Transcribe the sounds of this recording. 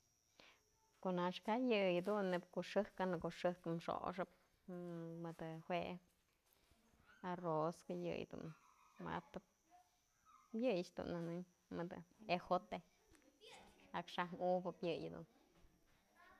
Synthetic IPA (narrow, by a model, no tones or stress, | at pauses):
konaʂkajɨjd̪unːep̚koʔʂɨhkanɨkoʂɨkmʂo̰ʂɨp̚ | mɨd̪hwe | aroskajɨ̰jd̪ṵnma̰t̪ɨp̚ | bjɨjt͡ʃd̪ṵnːanɨɲ | mɨd̪ɨexot̪e | akʂamubɨpjɨjd̪ṵn